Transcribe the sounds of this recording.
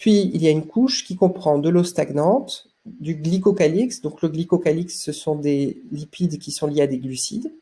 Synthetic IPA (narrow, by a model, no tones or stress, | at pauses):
pɥiḭljaynkʰuʃkʲikɔ̃pχɑ̃d̪əlost̪aɡnɑ̃t̪ | d̪yɡlikɔkaliksd̪ɔ̃kləɡlikɔkaliksːəsɔ̃d̪elipid̪kʲisɔ̃ljead̪eɡlysḭd̪